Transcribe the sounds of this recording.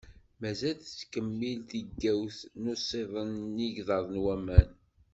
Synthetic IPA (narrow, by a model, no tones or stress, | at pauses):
mæzælθt͡sːkəmːilt̪iɡːæwθnʊsˤeðˤənːiʝðɑðˤnwæmæn